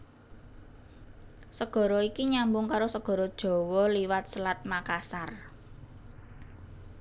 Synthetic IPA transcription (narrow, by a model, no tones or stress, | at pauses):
səɡ̥ɔ̤ɾɔikiɲambʊŋkaɾosəɡ̥ɔ̤ɾɔd̥ʒ̥ɔ̤wɔliwat̪̚səlat̪̚makasar